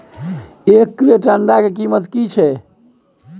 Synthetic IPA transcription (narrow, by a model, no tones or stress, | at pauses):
ekːɾeʈəɳɖakek̬imət̪kit͡ʃʰɛ